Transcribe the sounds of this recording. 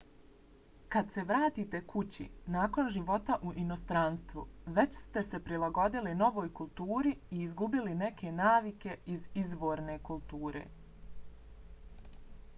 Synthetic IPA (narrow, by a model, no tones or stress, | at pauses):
kad̪se̞ʋɾaːt̪iːt̪e̞kut͡ɕḭnaːko̞nʒiʋo̞t̪aʔuʔino̞st̪ɾanst̪ʋṵʋe̞t͡ɕst̪e̞se̞pɾilˠaɡo̞d̪ilino̞ʋo̞ːjkulˠt̪uːɾiiːzɡubiline̞kʰe̞naːʋike̞izizʋo̞ːɾne̞kulˠt̪uːɾʔe̞̰ː